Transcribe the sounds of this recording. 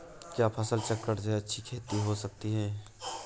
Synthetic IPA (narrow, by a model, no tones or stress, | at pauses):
kjaːpʰɐsəlt͡ʃɐkːəʈt̪ɛɐtːʃʰikʰeːt̪iɦosɐk̚t̪iɦɛ̃ː